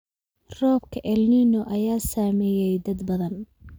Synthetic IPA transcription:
rɔːbkʰɐʔɛlniːnɔʔɐjaːsaːmɛːjɛjd̪ɐd̪bɐðɐn

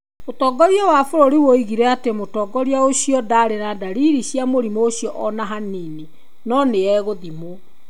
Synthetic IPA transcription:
otɔːɡɔɾiɔwafoɾoɾiwoiɣiɾɛatemotɔːɡɔɾiaoɕijɔdaɾenadaɾiɾiɕjamoɾimooɕijɔʔɔnaɦanine | nɔneɛɣoðimo

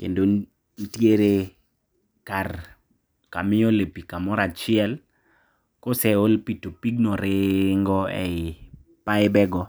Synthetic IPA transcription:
kḛndon | n̩tjeɾe | kar | kamɪɔlepikamɔɾat͡ʃɪɛl | kosɛolpitopiɡnɔɾeŋɡɔɛɪ | paɪbɛɡɔ

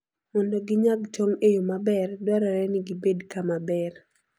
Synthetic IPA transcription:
mɔndoɡɪɲaɡt͡ʃoŋejomabɛrdwɔɾɔɾɛnɪɡibedkamabɛr

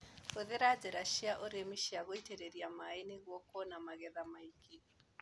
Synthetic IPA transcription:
fuðiɾad͡ziɾaʃiaʔɔɾemiʃiaɣoitɛɾeɾiamainiɣɔkɔnamaɣɛðamaiki

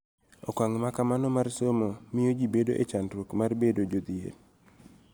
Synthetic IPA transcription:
ɔkwaŋmakamanɔmarsomomɪjod͡ʒibedoʔet͡ʃandɾwokmarbedod͡ʒod̪ɪḛn

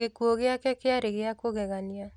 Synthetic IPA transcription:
ekuoɣeakɛkeaɾeɣeakoɣɛɣania

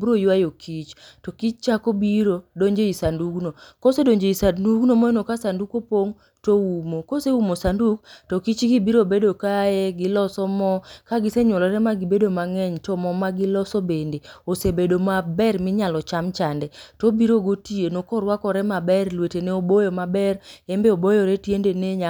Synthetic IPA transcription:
bɾojwajokʰit͡ʃtɔkit͡ʃt͡ʃakobiɾodoɲd͡ʒeisanduɡnokosedoɲd͡ʒeisanduɡnomɔjenokasandukopoŋ | toumokoseumosanduktɔkit͡ʃɡibiɾobedokajɛɡɪlɔsɔmɔkaɡɪseɲwɔlɔɾɛmaɡibedomaŋɛɲtɔmɔmaɡɪlɔsɔbendeosebedomabɛrmɪɲalɔt͡ʃamt͡ʃandɛtobiɾoɡotienokɔɾwakɔɾɛmabɛrlweteneobojɔmabɛrembeobojɔɾɛtjendeneɲa

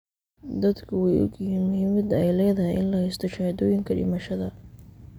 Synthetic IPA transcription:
d̪ɐd̪kʰʊwɛjʔʊ̰ɡɪhiːnmʊhiːmɐd̪ɛjlɛːðɐɦɛjʔɪnlɐhɛjst̪ʰɔt͡ʃɐhd̪ɔːjɪŋkʰɐɖɪ̰mɐʃɐðɐ

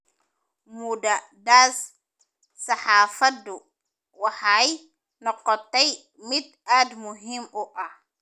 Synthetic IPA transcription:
muda | daːs | sɐħaːfad̪u | waħaj | nɔqːɔt̪ːɛj | mid̪̚aːd̪mʊɦimɔʔah

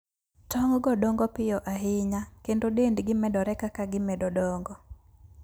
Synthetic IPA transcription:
tɔŋɡɔdɔŋɡɔpɪɔʔaɦɪɲakendodendɡɪmɛdɔɾɛkakaɡɪmɛdɔdɔŋɡɔ

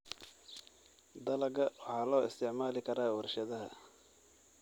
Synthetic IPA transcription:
d̪ɐlɐɡɐwɑħɑːlɔːʔɪ̰st̪ʰɪʕmaːlɪkʰɐɾaːwɐrʃɐðɐɦɐ̰

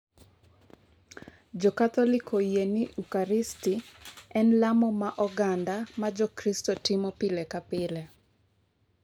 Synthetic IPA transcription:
d͡ʒɔkat̪ɔlɪkʰɔjenɪukaɾɪstiɛnlamɔmaʔɔɡandamad͡ʒɔkɾistɔtɪmɔpɪlɛkapɪlɛ

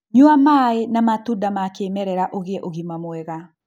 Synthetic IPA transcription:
ɲuamaenamatudamakeːmɛɾɛɾaʔoɣeɛʔoɣimamwɛɣa

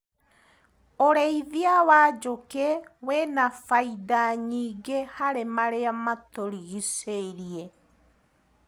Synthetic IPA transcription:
oɾɛiðiawad͡ʒokɛwɛnafaidaɲiːɡehaɾemaɾeamat̪oɾiɣiseɾiɛ

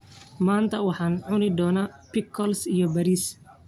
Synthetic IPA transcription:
maːnt̪ʰɐwɑħɑːnʕʊnɪd̪ɔːnɐpɪkʰːɔlsijɔbɐɾiːs

